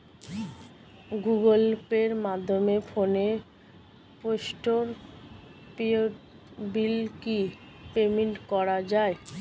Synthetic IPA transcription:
ɡuɡolpeɾmad̪ʱːomefʰone | poʃʈoɾ | pio | bilki | pemeɳʈkɔɾad͡ʑae

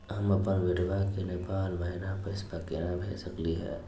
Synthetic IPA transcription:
ɦɐmɐpənʋɪɖʋakenɪpaːlməɦɪnapəɪspəkeːnabʱeːsəkliɦɛ̰ː

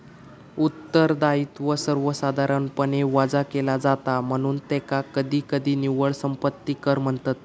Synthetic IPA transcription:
ut̪ːəɾd̪aiːt̪ʋəsəɾʋəsad̪ʱaɾənpəɳeʋad͡zakelad͡zat̪am̤əɽ̃uːnt̪ɛkakəd̪ʱiːkəd̪iːniʋəɭsəmpət̪ːiːkəɾm̤əɳt̪ət̪̚

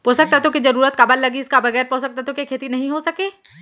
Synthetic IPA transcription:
poːsək̚t̪aɦt̪oked͡ʒɐɾuːɾət̪̚kɐbəlːɐɡiɪskabɐɣɛːɾposɐk̚t̪at̪okekʰeːt̪inɐɦĩɦosɐkeː

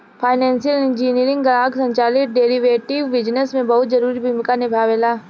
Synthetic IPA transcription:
pʰaːɪnɛ̃ːnsijəlɪ̃nd͡ʒiːniːɾɪ̃ŋɡɡɾaːɡsɐ̃ɲt͡ʃaːlɪk̚ɖeːɾiʋeːʈɪʋːɪd͡ʒnəsmẽbɐɦʊt̪zɐɾuːɾibʱuːmɪkanɪbʱaːʋelaː

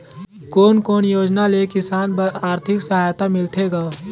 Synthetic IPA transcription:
koːnkoːnjoːd͡ʒnalekɪsaːnpəaːɾt̪ʰɪksɐɦaːjt̪amɪlt̪ʰeɡaː

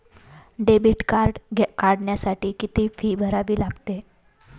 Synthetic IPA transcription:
ɖebiʈkaɾɖkaɽɳjasaʈiːkit̪iːfiːbʱəɾaʋiːlaɡt̪e

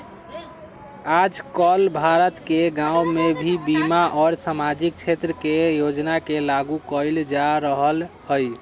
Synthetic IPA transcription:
ad͡ʒkɔlbʱaɾət̪keɡãumebʱibimaʔɔɾsamad͡ʒik̚t͡ʃʰet̪ɾəkejod͡ʒnakelaɡukəjld͡ʒaɾəɦəlhəj

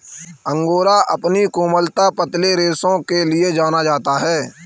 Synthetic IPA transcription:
ə̃ŋɡoːɾaʔəpnikuːməlt̪apət̪leɾeːsõkelɪed͡ʒaːnad͡ʒaːt̪aɦɛː

